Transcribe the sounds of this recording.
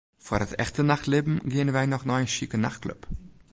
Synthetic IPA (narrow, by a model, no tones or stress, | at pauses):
fɔɾətɛ̰xtənaχtlɪbm̩ɡeːənvaɪnɔχnɔɪnʃikənaχt̚klʊ̰p